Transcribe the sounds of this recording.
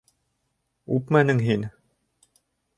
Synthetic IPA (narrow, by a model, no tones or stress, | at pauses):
upmænɘŋɦin